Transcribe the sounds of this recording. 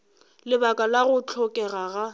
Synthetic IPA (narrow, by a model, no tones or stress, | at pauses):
lɪbakʼalaɣʊt͡ɬʰɔkʼɛɣaɣa